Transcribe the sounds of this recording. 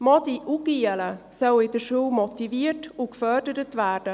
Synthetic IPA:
mɔdiʔuɡiələsœwɪdəɾʃuːmɔtiviːtʊkfœrdəɾətvæːɾd̥ə

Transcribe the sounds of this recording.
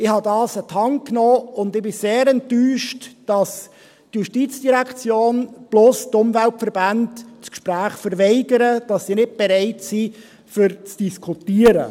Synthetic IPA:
ɪhɑdɑːsətʰɑŋknɔːʊndɪbɪseːɾɛntːyːʃtd̥ɑs | tjuʃtiːt͡sd̥iɾækt͡sjoːnb̥lʊstʊmvæltfəɾb̥andskʃpɾæːχfəɾʋɛɪɡəɾəd̥ɑsːinɪt̚b̥eɾɛɪtsi | fʏɾt͡sd̥iskʰutiːəɾə̰

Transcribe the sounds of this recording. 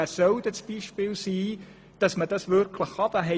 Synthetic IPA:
æsœwd̪ət͡sb̥iʃpɪːlsiː | d̥ɑsməd̥ɑsʋʏɾkʰləχɑb̥əɦɛ

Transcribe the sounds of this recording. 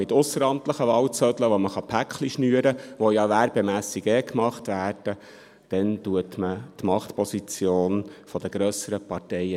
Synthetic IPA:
mɪtʊsəɾɑmt̪ləχəʋɑwt͡sœdləʋɔməχɑpʰækχliʃnyːəɾəʋɔjɑʋæɾbɛmæːsiɡɛkmɑχt̪ʋæːrd̥ə | d̥ɛntuətmətmɑχt̪pɔsit͡sjoːnfɔd̥̪əɡɾœsəɾəpɑtɛjə

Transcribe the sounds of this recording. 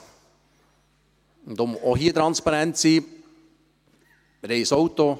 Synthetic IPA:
nd̥̪omɔɦiːt̪ɾɑnspɑɾɛnt̪siː | ɾeɪsowt̪o

